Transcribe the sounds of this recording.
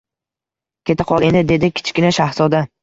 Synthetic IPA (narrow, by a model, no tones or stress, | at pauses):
kʲʰe̞t̪ʰɪqʰɒlˠe̞nd̪ɪd̪e̞d̪ɪkʲʰɪ̥t͡ʃkʲɪnaʃahsɒd̪a